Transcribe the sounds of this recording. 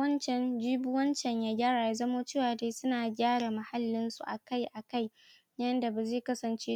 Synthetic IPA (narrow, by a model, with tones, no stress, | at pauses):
wɐ˦nt͡ʃɛ˨nd͡ʒiː˦bʊ˦wɐ˦nt͡ʃɛ˨ɲjaː˦ɡʲaː˦ɽaː˨ja˦zɐ˦moː˦t͡ʃeː˦waː˨deː˦sʊ˦naː˨ɡʲaː˦ɽa˨mɐ˨ha˦lːɪ˦nsṵ˨ʔa˨ka˦jʔa˨ka˦˨j | jɐ˦nda˨ba˨zeː˦˨kɐ˦sɐ˨nt͡ʃeː˦